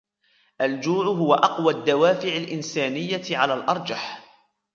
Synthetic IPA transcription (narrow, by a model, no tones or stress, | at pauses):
ʔald͡ʒuːʕʊɦʊwaʔɑqwad̪ːawaːfɪʕalʔɪnsaːnɪjːaʕalaːlʔɑɾˤd͡ʒaħ